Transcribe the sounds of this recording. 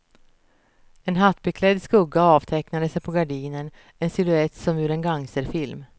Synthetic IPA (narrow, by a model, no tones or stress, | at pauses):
ɛnɦat̪ːbɪkʰlɛd̪skɵɡːaɑːvt̪ʰɛknad̪əsɛjpʰɔɡaɖiːnən | ɛnsɪlɵɛt̪ːsɔmjʉːɾɛnɡaŋːsəɾfɪlm